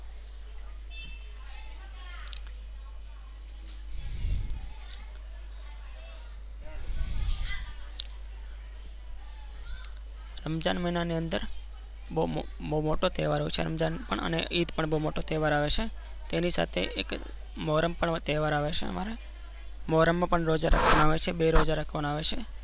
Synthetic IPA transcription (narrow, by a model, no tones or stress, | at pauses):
ɾəmd͡ʒanmenaniənd̪əɾ | bou | moumoʈot̪eʋaɾɦot͡ʃʰḛɾə̰md͡ʒanpə̰ɳə̰neit̪pəɳboumoʈot̪eʋaɾaʋet͡ʃʰe | t̪enisa̰t̪ʰḛʔek | mɔɾəmpəɳt̪eʋaɾaʋet͡ʃʰḛə̰ma̰ɾe | mɔɾəmːãpəɳɾod͡ʒaɾə̰kʰʋamãaʋet͡ʃʰebeɾod͡ʒaɾəkʰʋanaʋet͡ʃʰe